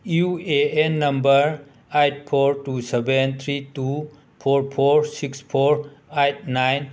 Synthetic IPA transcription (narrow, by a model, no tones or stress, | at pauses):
jueenːɐmbəɾ | ajt̚pʰoɾtusebent̪ʰɾitu | pʰoɾpʰoɾsikspʰoɾajt̚najn